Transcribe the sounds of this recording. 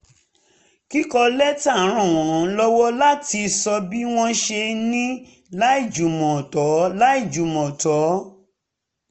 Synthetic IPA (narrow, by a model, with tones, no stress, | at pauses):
ki˦kɔ˧lɛ˦ta˦˨˦ɾ̃ɔ̃˨w̃ɔ̃˨˦lɔ˦wɔ˦la˦ti˧sɔ˧bi˦w̃ɔ̃˦ʃe˧nĩ˦ | la˦i˦˨d͡ʒu˨mɔ̃˨tɔ˨˦la˦i˦˨d͡ʒu˨mɔ̃˨tɔ˨˦